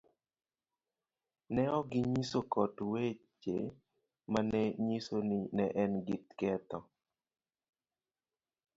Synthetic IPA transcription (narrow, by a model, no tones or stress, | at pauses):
nɛɔɡɪɲisokɔtwet͡ʃḛ | manɛɲisonɪnɛʔɛnɡit̪kɛt̪ɔ